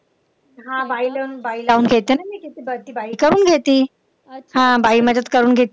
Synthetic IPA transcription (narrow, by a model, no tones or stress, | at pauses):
ɦãbailaunbailaunɡʱet̪enamiket̪ibət̪iːbaikəɾuːnɡʱet̪iː | ɦãbaiːməd͡zət̪kəɾuːnɡʱet̪